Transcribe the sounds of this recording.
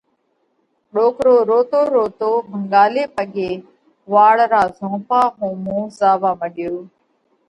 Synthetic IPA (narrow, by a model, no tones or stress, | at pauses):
ɗoːkɾoːɾoːt̪oːɾoːt̪oːbʱəŋɡaːleːpəɠeː | ʋaːɭɾaːzõːpaːɦõːmõːzaːʋaːməɗɪjoː